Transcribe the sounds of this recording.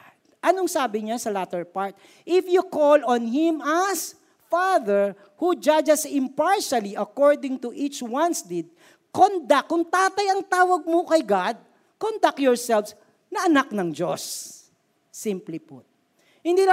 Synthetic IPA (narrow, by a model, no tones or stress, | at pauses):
ʔɐnoŋsaːbɪɲasɐlat̪ɛɹpaɹt̪̚ | ʔɪfjukolɔ̃nhɪ̃mɐs | faðɛɹ | hud͡ʒad͡ʒɐsɪ̃mpaɹʃɐliʔɐkɔɹd̪ɪ̃ŋt̪ʊʔit͡ʃwãnsd̪ɪd̪̚ | kond̪akːʊŋt̪aːt̪ɐjɐŋt̪aːwɐɡ̚mokɐjɡad̪̚ | kont̪akjɔɹsɛlfs | nɐʔɐnak̚nɐŋd͡ʒosː | implipʊ̰t̪̚ | hɪnd̪iːnɐ